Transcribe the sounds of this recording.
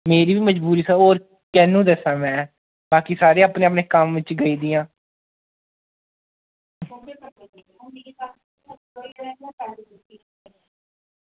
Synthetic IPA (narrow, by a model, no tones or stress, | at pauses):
meːɾiːbiːməd͡ʒbuːɾiːsaːoːɾ | kɛːnũːd̪əsãːmɛ̃ː | baːkisaːɾeːaːpneːap̬neːkəmʋɪt͡ʃɡəiːd̪iːãː